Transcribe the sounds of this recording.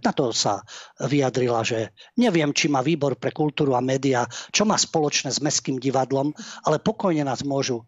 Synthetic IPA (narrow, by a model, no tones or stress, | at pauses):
nat̪ɔsa̰ʋijad̪ɾilaʒɛɲɛʋɪɛmt͡ʃimaːʋiːbɔɾpɾɛkult̪uːɾuamɛːd̪iat͡ʃɔmaːspɔlɔt͡ʃnɛːzmɛskiːmɟiʋad̪lɔmalɛpɔkɔjɲɛnaːzmʊɔʒu